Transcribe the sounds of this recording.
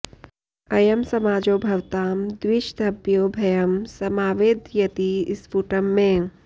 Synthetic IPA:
ɐjɐmsɐmaːd͡ʒoːbʱɐʋt̪aːmd̪wɪʃd̪ʱɐbjoːbʱɐjɐmsɐmaːʋeːd̪jɐt̪iɪsfuːʈəmːẽ

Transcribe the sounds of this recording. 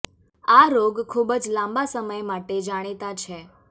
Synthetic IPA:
aɾoɡkʰːubd͡ʒlãmbasəməjmaʈed͡ʒaɽ̃et̪at͡ʃʰe

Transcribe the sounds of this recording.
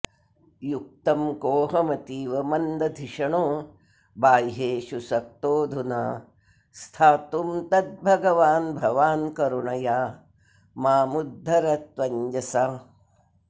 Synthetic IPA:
juk̚t̪ɐmkoːɦɐmɐt̪iːʋɐmɐnd̪ɐd̪ʱiʂɐɳoː | baːjɦeːʃusɐk̚t̪oːd̪ʱunɐ | st̪ʰaːt̪umt̪ɐt̪̚bʱɐɡɐʋaːnbʱɐʋaːnkɐɾuɳɐjaː | maːmud̪ʱːɐɾɐt̪ʋɐɲd͡ʒɐsaː

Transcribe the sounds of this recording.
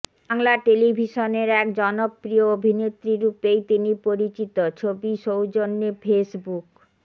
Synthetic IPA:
aŋlaʈelibʱiʃoneɾɛkd͡ʑɔnopːɾioobʱinet̪ːɾiɾupejt̪inipoɾit͡ɕit̪ot͡ɕʰobiʃowd͡ʑonːefʰesbuk

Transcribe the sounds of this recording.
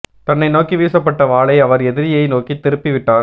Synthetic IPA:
t̪ɐnːɐɪnoːkiʋiːsɐpːɐʈːɐʋaːɭɐɪɐʋɐɾɛðɪɾɪjɐɪnoːkit̪ːɪɾɯpːɪʋɪʈːaːɾ

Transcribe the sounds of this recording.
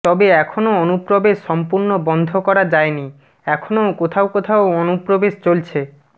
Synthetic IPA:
t̪ɔbeɛkʰonoonupɾobeʃːɔmpuɾnobɔnd̪ʱokɔɾad͡ʑaeni | ɛkʰonokot̪ʰaokot̪ʰaoonupɾobeʃt͡ɕolt͡ɕʰe

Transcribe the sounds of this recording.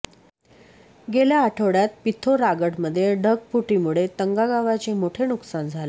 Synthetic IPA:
ɡeljaːʈʰəʋɽjat̪̚pit̪ʰoɾaɡəʈməd̪ʱːjeɖʱəɡ̚puʈimuɭet̪əŋɡaɡaʋat͡ɕemoʈʰenuksand͡zʱale

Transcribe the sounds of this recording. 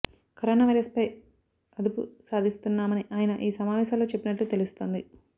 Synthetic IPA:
kɐɾoːnaːʋɐjɾɐspɐj | ɐd̪upusaːd̪ʱist̪unːaːmɐniʔaːjɐnɐʔiːsɐmaːʋɛːsaːlːo̞ːt͡ʃe̞pːinɐʈːut̪elust̪o̞ːnd̪i

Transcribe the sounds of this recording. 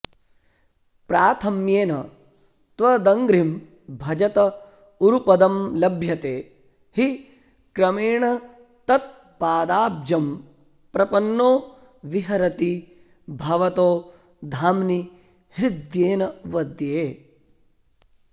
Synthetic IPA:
pɾaːt̪ʰɐmjeːnɐ | t̪ʋɐd̪ɐŋɡɾim | bʱɐd͡ʒɐt̪ɐ | uɾupɐd̪ɐmlɐbʱjɐt̪eː | hi | kɾɐmeːɳɐ | t̪ɐt̪̚ | paːd̪aːbd͡ʒɐm | pɾɐpɐnːoː | ʋiɦɐɾɐt̪i | bʱɐʋɐt̪oː | d̪ʱaːmni | hid̪jeːnɐʋɐd̪jeː

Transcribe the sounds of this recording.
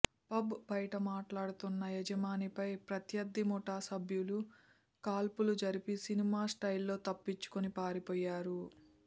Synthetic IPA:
pɐbbɐjɐʈɐmaːʈlaːɽut̪unːɐjɛd͡ʒɐmaːnipɐjpɾɐt̪jɐd̪ːimɔʈaːsɐbʱjulu | kaːlpulud͡ʒɐɾipisinimaːsʈɐjlːo̞ːt̪ɐpːit͡ʃːu̥kunipaːɾipɔːjːaːɾu

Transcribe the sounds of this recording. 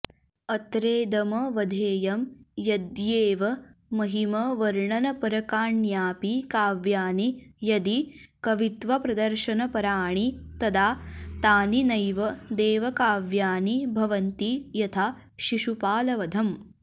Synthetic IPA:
ɐt̪ɾeːd̪ɐmɐʋɐd̪ʱeːjɐmjɐd̪jeːʋɐmɐɦimɐʋɐɾɳɐnɐpɐɾɐkaːɳjaːpikaːʋjaːnijɐd̪i | kɐʋit̪ʋɐpɾɐd̪ɐɾʃɐnɐpɐɾaːɳit̪ɐd̪aːt̪aːninɐjʋɐd̪eːʋɐkaːʋjaːnibʱɐʋɐnt̪ijɐt̪ʰaː | ʃiʃupaːlɐʋɐd̪ʱɐm

